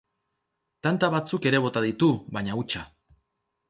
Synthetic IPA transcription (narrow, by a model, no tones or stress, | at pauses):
t̪ant̪aβat͡suke̞ɾe̞β̞o̞t̪aðit̪uβaɲaut͡ʃa